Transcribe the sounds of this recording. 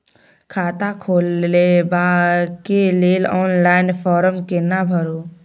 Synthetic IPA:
kʰaːt̪akʰoːlːebakeleːlɔːnlaːɪnpʰɔːɾəmkenabʱəɾo

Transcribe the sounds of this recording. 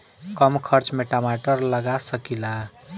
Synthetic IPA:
kʌmkʰʌɾt͡smeʈamaʈʌrlʌɡasʌkila

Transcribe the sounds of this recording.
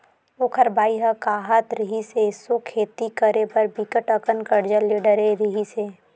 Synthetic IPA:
okʰəɾbaːiɦəkaːɦət̪ɾɪɦisesokʰeːt̪ikəɾepəɾbɪkəʈəkənkəɾd͡ʒəleɖəɾeɾiɦiseː

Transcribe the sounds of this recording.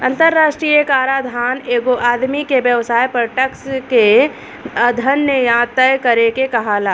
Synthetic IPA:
ɐ̃nt̪əɾːaːʃʈɾiːjəkaːɾaːd̪ʱaːneːɡoʔaːd̪mikebjəʋsaːjpɾəʈəkske | əd̪ʱənːəjaːt̪əjkɐɾekekɐɦalaː

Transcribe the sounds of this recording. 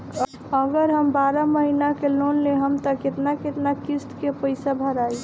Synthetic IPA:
əɡəɾɦəmbaɾaməɦinakelonleɦəmt̪əket̪naket̪nakist̪kepəɪsabʱəɾaːi

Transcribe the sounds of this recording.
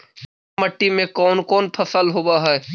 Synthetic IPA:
məʈːimẽkɔːnkɔːnpʰəsəlɦoːbaɦɛː

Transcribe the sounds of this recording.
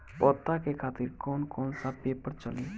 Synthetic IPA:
pɔːt̪akekʰaːt̪ɪɾkɔːnkɔːnsapeːpəɾt͡ʃəlĩː

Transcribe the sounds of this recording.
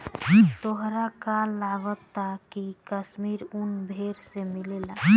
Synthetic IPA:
t̪oɦɾakalːaɡɔt̪ːakikəsmiɾunbʱeɾsemilelã

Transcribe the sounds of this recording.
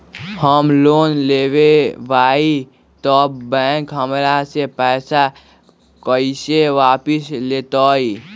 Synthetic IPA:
həmloːnleːwebaːi | t̪ɔbɛ̃ːŋkɦəmɾasepɛːsa | kəɪseʋaːpɪsleːt̪ɔːi

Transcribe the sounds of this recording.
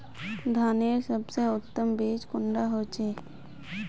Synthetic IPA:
d̪ʱaːneːɾsəbseʊt̪ːəmbeːd͡ʒkʊɳɖaɦoːt͡ʃeː

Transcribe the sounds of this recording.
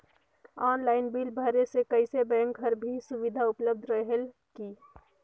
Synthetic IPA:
aːnlaːɪnbilbʱəɾesekəɪsebɛ̃ːŋkɦəɾbʱisʊʋɪd̪ʱaʊpləb̚d̪ʱɾəɦel | ki

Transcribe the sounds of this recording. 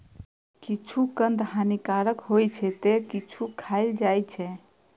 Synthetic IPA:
kit͡ʃʰukənd̪ɦanikaɾəkɦojt͡ʃʰɛt̪ekit͡ʃʰukʰaɪld͡ʒajt͡ʃʰɛ

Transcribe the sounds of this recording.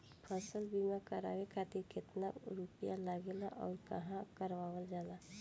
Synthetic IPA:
pʰəsəlbimakəɾa̰ːʋekʰaːt̪ɪɾkɪt̪na̰ɾupijalaɡelaʔɔːɾkə̰ɦãkəɾʋaːwəld͡ʒaːla

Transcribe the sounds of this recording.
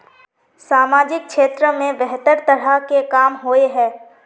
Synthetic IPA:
saːmaːd͡ʒɪk̚ʃeːt̪ɾəmẽʋɛɦt̪əɾt̪ɐɾakekaːmɦoːeɦɛː

